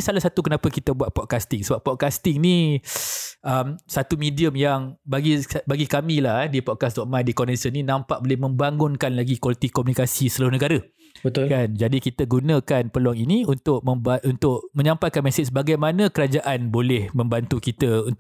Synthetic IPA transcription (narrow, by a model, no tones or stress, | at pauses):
salahsat̪ukənãpəkit̪əbuat̪̚pɔt̚kast̪ɪŋsəbap̚pɔt̪̚kast̪ɪŋnĩ | ʔəmsat̪umĩdiəmjaŋbaɡibaɡikamĩlahdipɔt̚kasdɔʔ̚mãjdikɔnɛnsənĩnãmpaʔ̚bolɪhmə̃mbaŋʊnkanlaɡikwalit̪ikomunikasist̪əlaɾʊhnəɡaɾə | bət̪ʊkand͡ʒadikit̪əɡunə̃kanpəluaŋinĩunt̪ʊk̚mə̃mbaʔunt̪ʊʔmə̃ɲãmpajkanmɛ̃set͡ʃbaɡajmanə̃kəɾad͡ʒaʔanbolɛhmə̃mbant̪ukit̪əun